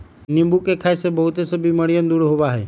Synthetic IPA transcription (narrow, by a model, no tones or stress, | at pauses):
nɪ̃mbukekʰaːesebəɦʊt̪esəbiməɽijənd̪uɽɦoʋaːɦeː